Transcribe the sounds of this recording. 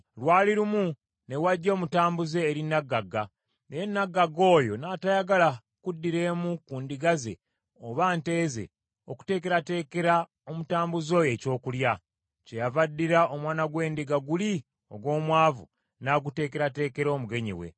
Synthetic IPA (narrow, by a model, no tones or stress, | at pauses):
lwaːliɾumu | ne̞waɟːo̞ːmutaːmbuze̞ːɾinːaɡːaɡa | nejenːaɡːaɡo̞ːjo̞naːtajaɡala | kudːiɾe̞ːmukuːndiɡazḛ | oβaːnte̞ːze̞̰ | oku̥te̞ːke̞ɾate̞ːke̞ɾa | o̞mutaːmbuzo̞je̞co̞ːkulja | ce̞javadːiɾao̞mwaːnaɡwe̞ːndiɡaɡuli | o̞̰ɡwo̞ːmwaːvṵ | naːɡute̞ːke̞ɾate̞ːke̞ɾo̞ːmuɡe̞ɲḭwe̞̰